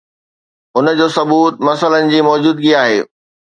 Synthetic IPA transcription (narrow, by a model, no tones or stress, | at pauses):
ʊnd͡ʑoːsɐbuːt̪̚mɐsələnɪ̆d͡ʑiːmɔːd͡ʑuːd̪ɡiaːɦeː